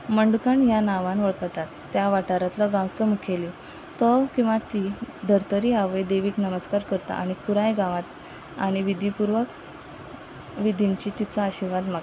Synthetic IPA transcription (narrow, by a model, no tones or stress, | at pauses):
məɳɖukaɳjanaʋãnʋəɭt̪t̪at̪ːjaʋaʈaɾat̪lɔɡãwt͡sɔmukʰeli | t̪ɔkĩw̃ʋat̪id̪ʱəɾt̪əɾiaʋejd̪eʋiːknəməskaɾkəɾt̪a̰ʔaɽ̃ikuɾajɡãʋat̪ | a̰ɽ̃iʋid̪ʱipuɾʋək | ʋid̪ʱiɲt͡ɕiːt̪it͡saəɕiɾʋad̪maɡ